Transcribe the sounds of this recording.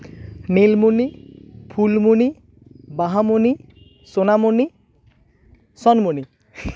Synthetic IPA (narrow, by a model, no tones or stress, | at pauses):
nilmunipʰulmuni | baɦamuni | sonamuni | sɔnmuni